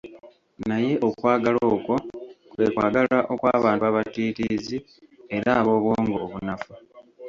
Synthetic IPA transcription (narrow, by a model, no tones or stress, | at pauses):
naje̞ʔo̞kwaːɡalo̞ːkwo̞kwe̞ːkwaːɡalaʔo̞kwaːβaːntuaβatiːtiːzi | e̞ɾaːβo̞ːβwo̞ːŋɡoːβunafu